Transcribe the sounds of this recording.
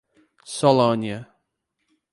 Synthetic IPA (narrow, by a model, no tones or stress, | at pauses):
sɔlonjə